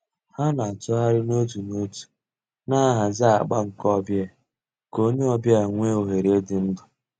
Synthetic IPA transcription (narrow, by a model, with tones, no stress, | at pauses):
ha˦n˨a˨tʊ˦ɦa˦ɾɪ˦no˦tu˨no˦tu̥˨ | na˦ɦa˨zɪ˦a˨ɡ͡ba˦ŋ̩˨kɔ˦bja˦˨ | ko˦ɲe˦ɔ˨bja˨ŋʷe˦o˨ɦe˨ɾe˦dɪ˨n̩˦dʊ˨